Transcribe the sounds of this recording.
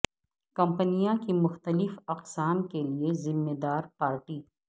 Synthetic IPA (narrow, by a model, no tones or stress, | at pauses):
kɐ̃mpənijãkimʊxt̪əlɪfɐqsaːmkeliezɪmːeːd̪aːɾpaːɾʈiː